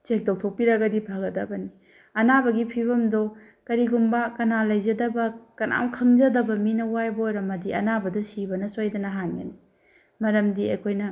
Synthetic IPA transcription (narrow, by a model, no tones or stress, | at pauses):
t͡ʃek̚tok̚tʰok̚piɾɐɡɐdipʰaɡɐdɐbɐni | ɐnabɐɡipʰiβɐmdo | kɐɾiɡumbɐkɐnalɐjzɐdɐbɐkɐnʔa̰wkʰɐŋd͡ʒɐdɐbɐminɐwajbɐojɾɐmɐdiɐ̰nabɐdɐsibɐnɐsojdɐnɐɦanjɐ̰ni | mɐɾɐmdiɐ̰jkʰojnɐ